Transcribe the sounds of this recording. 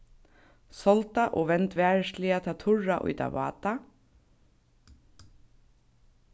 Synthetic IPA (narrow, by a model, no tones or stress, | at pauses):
sɔlt̪aʔɔːʋɛnt̪ʋæːɹslɪat̪ʰaːt̪ʰʊɹaʔʊ̰jt̪a̰ʋɑ̰ːt̪a